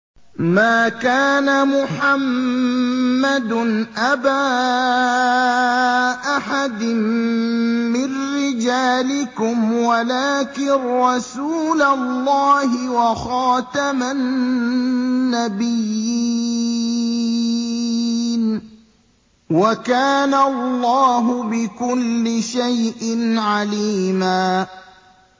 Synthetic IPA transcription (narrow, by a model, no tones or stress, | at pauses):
maːkaːnamʊħamː | ad̪nʔabaː | ʔaħad̪ɪmː | ɪnːɪd͡ʒaːlɪkʊmwalaːkɪːɑsuːlallːɑːɦɪwaxɑːt̪amanː | abɪjːi | n | wakaːnallˤːɑːɦʊbɪkʊlːɪʃajʔɪnʕaliːmaː